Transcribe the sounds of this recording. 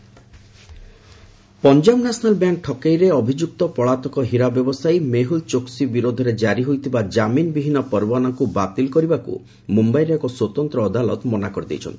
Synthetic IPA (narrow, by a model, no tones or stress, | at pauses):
pɔnd͡ʒamnasnalbjaŋk̚ʈʰɔkejɾeɔbʱid͡ʒuk̚t̪ɔpɔɭat̪ɔkɔɦiɾabjɔbɔsajmeɦult͡ʃoksibiɾod̪ʱɔɾed͡ʒaɾiɦojt̪ʰibad͡ʒaminbibʱinɔpɔɾbanakubat̪ilkɔɾibakṵ | mumbajɾekɔswɔt̪ɔnt̪ɾɔːd̪alɔ̰t̪mɔnakɔɾid̪ḛjt͡ʃʰɔ̰nt̪i̥